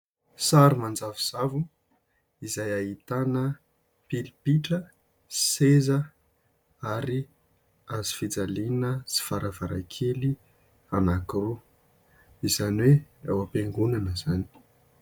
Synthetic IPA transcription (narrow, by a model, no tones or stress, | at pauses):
saɾumand͡zaviz̥avu | izajait̪anə | pilipiʈ͡ʂə̥ | sezə | aɾi | azifid͡zalinəsi̥faɾavaɾa̰kʰeli | anakru | izaniwea̰wapeŋɡunanəzani̥